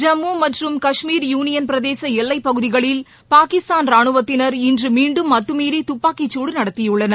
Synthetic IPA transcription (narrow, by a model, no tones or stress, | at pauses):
d͡ʒɐmːumɐʈrɯmkɐʂmiːɾjuːnɪjɐnpɪɾɐðeːsɐɛlːɐɪpːɐɣɯðɪɣɐɭɪl | paːkɪst̪aːnɾaːɳɯʋɐt̪ːɪnɐɾɪndrɯmiːɳɖɯmːɐt̪ːɯmiːɾit̪ʊpːaːkit͡ʃːuːɽɯnɐɽɐt̪ːɪjɯɭːɐnɐ